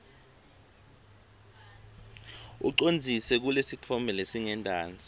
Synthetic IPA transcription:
ṵǀond͡zʱisɛk̬ulesitʰɔmbʱɛlesiŋɛndʱaːnd͡zʱi

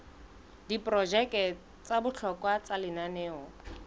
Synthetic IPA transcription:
dipʼrɔd͡ʒɛkɛ | t͡sabʊt͡ɬʰɔkʼwat͡salɪnanɛːɔ

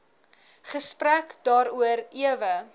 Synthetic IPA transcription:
χəsprækd̥ɑːɾuəɾiəvə

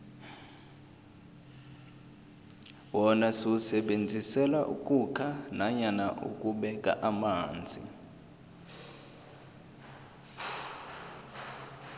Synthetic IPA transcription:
wɔnasiusɛɓend͡zʱisɛlaʔukʼukʰanaɲanaʔṵkʼuɓɛkʼa̰ʔamaːnd͡zʱḭ

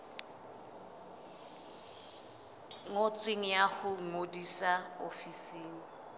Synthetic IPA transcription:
ŋot͡sʼweŋ̩jaχʊŋ̩ŋodisaofisiːŋ̩

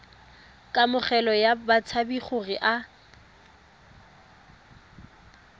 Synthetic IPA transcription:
kʼamʊχɛlɔjabat͡sʰabiχʊrɪʔa

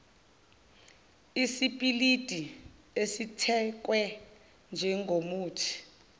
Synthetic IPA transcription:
isipʼilid̥ʱi | esitʰɛk̬wɛ | nd͡ʒʱɛŋɡʱomuːtʰi̥

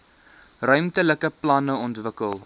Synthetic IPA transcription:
rœɥmtələkəplɐnəɔntvəkəlˠ

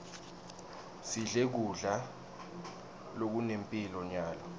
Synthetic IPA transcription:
siɮek̬uɮa | lok̬unempʼilɔɲaːlɔ

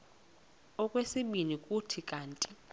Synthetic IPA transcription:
ɔkʼwesiɓinikʼutʰikʼaːntʼi

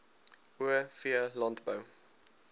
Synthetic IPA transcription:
ʔuəfiəlɑntbə

